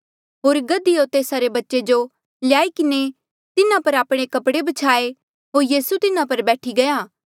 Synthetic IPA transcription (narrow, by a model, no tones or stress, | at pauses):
ɦoːɾɡɐd̪iot̪eːsaɾebɐtːʃed͡ʒo | lɪjaːikɪne | t̪ɪnãpɐɾaːpɽ̃ekɐpɽebɐt͡ʃʰaːe | ɦoːɾjiːsut̪ɪnãpɐɾbɛːʈʰiɡɐjaː